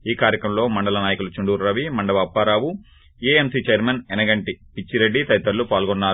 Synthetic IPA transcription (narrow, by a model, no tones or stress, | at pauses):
iːkaːɾjɐkɾɐmlo̞ːmɐɳɖɐlɐnaːjɐkulut͡ʃuɳɖuːɾɾɐʋimɐɳɖɐʋɐːpːaːɾaːʋu | eemsit͡ʃeɾmɐnɛnɐɡɐɳʈipit͡ʃːiɾeɖːit̪ɐɾit̪ːɐɾlupaːlɡɔnːaːɾu